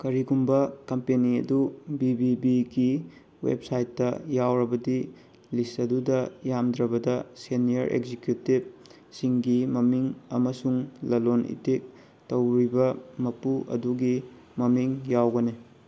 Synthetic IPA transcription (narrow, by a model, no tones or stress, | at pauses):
kɐɾiɡumbɐkɐmpeniɐ̰dubibibiɡi | wḛb̚sajtːɐjawɾɐbɐdi | lisɐdudɐjamdɾɐbɐdɐseniɐɾʔḛkzikjutib̚ | siŋɡimɐmiŋɐ̰mɐsuŋlɐlonʔḭtik̚ | tɐwɾibɐmɐpuʔɐ̰duɡi | mɐmiŋjawɡɐni